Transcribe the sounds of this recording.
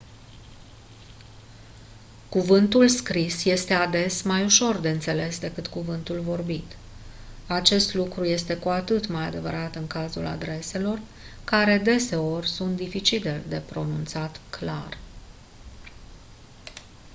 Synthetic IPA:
kuvɨnt̪ulskɾisje̞st̪e̞ad̪e̞smajuʃo̞rd̪e̞ɨnt̪se̞le̞sd̪e̞kɨt̪kuvɨnt̪ulvo̞rbit̪ | at͡ʃe̞st̪lukɾuje̞st̪e̞kuat̪ɨt̪majad̪e̞vəɾat̪ɨŋkazula̰d̪ɾe̞se̞lo̞r | kaɾe̞d̪e̞se̞o̞rʲsunt̪d̪ifit͡ʃit̪ed̪e̞pɾo̞nunt̪sat̪kla̰r

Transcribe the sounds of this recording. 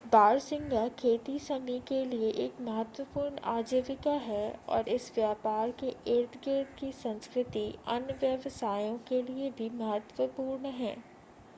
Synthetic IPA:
baːɾsɪ̃ŋɡakʰeːt̪isɐmikelieʔeːkmɐɦət̪wəpuːɾɳa̰ːd͡ʒeːʋɪkaɦɛɔ̰ːɾɪsʋjaːpaːɾkeʔeːɾt̪ʰɡeːd̪kisɐ̃nskɾɪt̪iɐ̰nʋjəʋsaːjõkeliebʱimɐɦət̪ʋəpuːɾɳɦɛ̰ː

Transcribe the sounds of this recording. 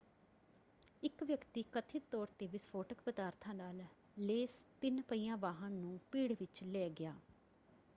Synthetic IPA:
ɪkʋjəkt̪iːkət̪ʰɪt̪ːɔːɾt̪eːʋɪspʰoːʈəkpəd̪aːɾt̪ʰãːnaːl | leːst̪ɪnpəiːjãːʋaːɦãːnũːpiːɽʋɪt͡ʃlɛːɡɪjaː

